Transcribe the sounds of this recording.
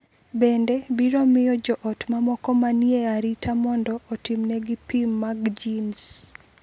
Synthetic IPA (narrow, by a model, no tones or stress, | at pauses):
bendebiɾɔmɪjɔd͡ʒɔʔɔtmamɔkɔmanieaɾitʰamɔndɔːtɪmnɛɡɪpimːaɡd͡ʒins